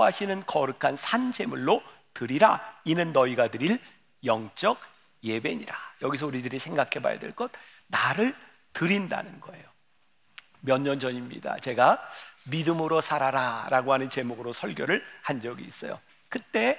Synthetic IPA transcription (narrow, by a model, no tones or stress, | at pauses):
ʌɦaɕʰinɯnkʌɾɯkʰansʰand͡ʑe̞muɭːo | tɯɾiɾainɯnːʌiɡadɯɾiɭ | jʌŋt͡ɕ͈ʌɡ | je̞be̞ɲḭɾajʌɡis̬ʰʌuɾidɯɾisʰe̞ŋɡakʰe̞ba̰ja̰dwḛɭk͈ʌt̚ | naɾɯɭ | tɯɾinda̰nɯnɡʌe̞jo | mjʌɲːʌnd͡ʑʌɲimɲḭda̰t͡ɕe̞ɡamidɯmɯɾosʰaɾaɾaɾaɡohanɯnt͡ɕe̞moɡɯɾosʰʌɭɡjʌɾɯɭhand͡ʑʌɡḭːs͈ʌjo̰ | kɯt͈e̞